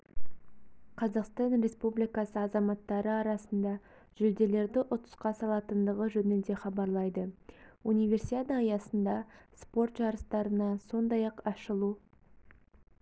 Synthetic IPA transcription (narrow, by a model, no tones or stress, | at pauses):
qʰɑzɑqst̪ɑnɾe̞spublijkɑsəɑzɑmɑt̪ːɑɾəɑɾɑsənd̪ɑ | ʒ̥ʏld̪e̞le̞ɾd̪ɪʔʊt̪ə̥sqɑsɑlˠɑt̪ənd̪əʁəʒɵnɪnd̪e̞χɑbɑɾlˠɑjd̪əunijvʲe̞rsit̪ʲet̪əjɑsənd̪ɑspo̞ɾt̪ʒɑɾəst̪ɑɾənɑso̞nd̪ɑjɑqɑʃəlˠu